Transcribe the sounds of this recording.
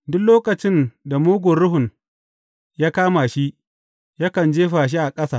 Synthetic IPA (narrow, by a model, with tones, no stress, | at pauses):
dʊ˦kloː˦kɐ˨t͡ʃɪ˦nda˨moː˦ɡʷʊ˨ɽʊ˦ɦʊ˨n | jaː˦kaː˦ma˨ʃi˦ʔ | ja˦kɐ˨nd͡ʒeː˦ɸaː˨ʃ̬i˦ʔa˨kʼɐ˦saː˨